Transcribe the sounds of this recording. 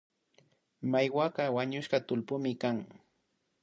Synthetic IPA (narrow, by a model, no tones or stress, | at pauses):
majwaɢɑwaɲʊʃɢɑt̪ʊlpʊmɪkaŋ